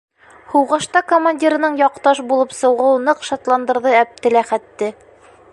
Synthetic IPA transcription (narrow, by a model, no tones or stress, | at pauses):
huwʁɤ̆ʃt̪ɑkomanʲdʲiɾɤ̆nɤɴjɒqt̪ɑʃbulˠɤpsɤ̆wʁɤwnɤqʃɑt̪lˠɑnd̪ɤ̆ɾðɤæp̚t̪ɘ̆læχæt̪ːɘ